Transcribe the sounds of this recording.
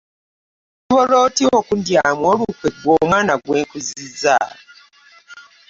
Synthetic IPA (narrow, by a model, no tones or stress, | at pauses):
tuβoloːtiokundjamwoːlukweɡwoːmwaːnaɡweːŋkuziza̰